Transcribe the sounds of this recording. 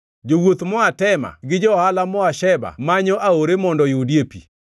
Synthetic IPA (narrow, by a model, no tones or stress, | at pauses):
d͡ʒowot̪mɔatɛma̰ɡɪd͡ʒɔhalamɔaʃɛba̰maɲoʔaoɾemɔndɔjʊdjepḭ